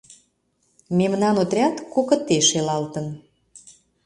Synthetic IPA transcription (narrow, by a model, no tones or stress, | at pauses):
memnɑnot̪ɾʲɑt̪kokə̆t̪eʃelɑlt̪ə̆n